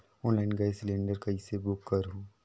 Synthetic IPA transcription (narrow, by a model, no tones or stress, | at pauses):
ɔ̃ːnlaɪnɡajsɪlẽːɳɖəɾkɐisebʊkːɐɾɦõː